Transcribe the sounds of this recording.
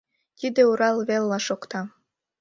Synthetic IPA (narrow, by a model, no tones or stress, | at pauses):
t̪id̪euɾɑlβelːɑʃokt̪ɑ